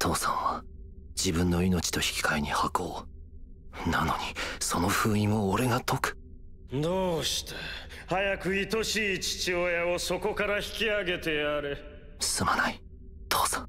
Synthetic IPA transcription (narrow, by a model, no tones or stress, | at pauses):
t̪ʰo̞ːsã̰ɰ̃βa | d͡ʑibɯ̟̃nːo̞ino̞t͡ɕi̥t̪o̞çi̥kʲi̥kaiɲ̟ihako̞ː | nano̞ɲ̟iso̞no̞ɸɯ̟ːĩmo̞ːɾe̞ɡat̪o̞kɯ̥ | d̪oːɕi̥t̪e̥ | hajakɯ̟it̪o̞ɕiːt͡ɕi̥t͡ɕiojaoso̞ko̞kaɾaçi̥kʲiaɡe̞t̪e̞aɾe | sɨ̥sɨmanai | t̪ʰoːsḁ̃